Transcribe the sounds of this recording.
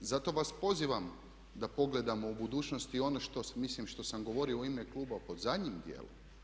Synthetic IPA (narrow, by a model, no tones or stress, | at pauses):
zat̪o̞ʋaspo̞ziʋam | d̪apo̞ɡle̞d̪amo̞ubud̪uːt͡ʃno̞st̪io̞noʃt̪o̞smislimʃt̪o̞samɡo̞ʋo̞ɾioimeklˠuːbapo̞d̪zad̪ɲimd̪jḛːlo̰m